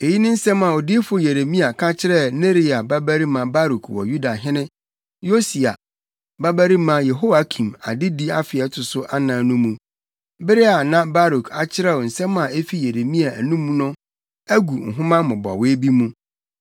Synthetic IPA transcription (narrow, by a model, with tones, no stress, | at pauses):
e˨ji˦nɪ̃˦n̩˦sɛ̃˦mã˨ɔ˨di˦e˦fʊ˦je˨ɾe˨mĩ˦a˨kʰã˦t͡ɕʰɪ˦ɾɛ˦ne˦ɾi˨a˨ba˦bæ˦ɾi˦mã˨ba˦ɾu˨kʰwɔ̰˨ju˦da˨ɦɪ̃˦nɪ̃˦ | jo˦si˨a̰˨ | ba˦bæ˦ɾi˦mã˨˦je˨ɦo˦wa˨kʰĩ˨ma̰˨dɪ˦di˦a˦fɪ˨ɛ˦tʰʊ˨sʊ˦ʔa˦nã˨nũ˦mːũ˦ | bɪ˦ɾɪ˦a˨nã˦ba˦ɾu˨kʰa˨t͡ɕʰɪ˦ɾɛ˦˨ɔ˨n̩˨sɛ̃˦mã˨e˦fi˦je˨ɾe˨mĩ˦a˨æ˨nũ˦mːũ˦nʊ̃˦ | æ˦ɡu˨ŋ̩˨ɦʊ̃˦mã˦mʊ̃˨bɔ̰˨we˦bi˦mũ˦